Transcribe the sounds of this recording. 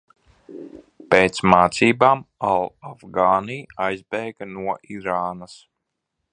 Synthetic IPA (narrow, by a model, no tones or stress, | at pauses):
peːt̪smaːt̪siːbaːmalˠavɡaːniːajzbɛjɡanuɔʔiɾaːnas